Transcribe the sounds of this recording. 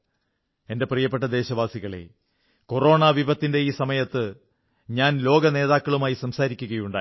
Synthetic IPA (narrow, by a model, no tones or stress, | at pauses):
e̞nde̞prijɐpːe̞ʈ̬ːɐd̪e̞ːɕɐʋaːsiɣɐɭe̞̰ | ko̞ro̞ːɳaːʋiʋɐt̪ːinde̞iːsɐmɐjɐt̪ːɨ | ɲaːnlo̞ːɡɐne̞ːðaːkːɐɭumaːjisɐmsaːɾikʲːuɣɐjuɳɖa̰ː